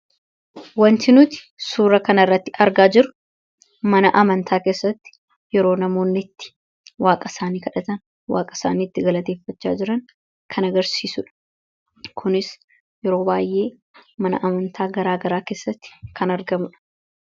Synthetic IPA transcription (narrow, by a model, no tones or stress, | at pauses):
wɐnt̪ɪnʊt̪ɪ̥ | suːɾɐkɐnɐɪrːɐt̪ːɪɐɾɡaːd͡ʒɪɾʊ̥ | mɐnɐʔɐmɐnt̪ʰaːkeːsːɐt̪ːɪ̥ | jɛɾo̞ːnɐmo̞ːnːɪt̪ːɪ̥ | waːkʼɐsaːniːkɐᶑɐt̪ɐn | wa̰ːkʼɐ̥saːniːt̪ːɪɡɐlɐt̪e̞ːfːɐt͡ʃːa̰ːd͡ʒɪɾɐn | kʰɐnɐɡɐɾsiːsʊᶑɐ̥ | kʰʊnɪs | jɛɾo̞ːbaːjʔe̞ː | mɐnɐ̰ʔɐmɐnt̪ʰaːɡɐɾaːɡɐɾaːke̞ːsːɐt̪ːɪ̥kʰɐnɐɾɡɐmʊᶑɐ̥